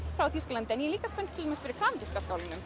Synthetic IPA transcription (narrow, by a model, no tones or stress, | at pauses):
fɾawθiskalant̪ɛnjɛliːkaspɛnt̪t̪ʰɪlɛmɛsfɪɾɪɾ̥kʰaːmɪskaskaːwlɪnʏm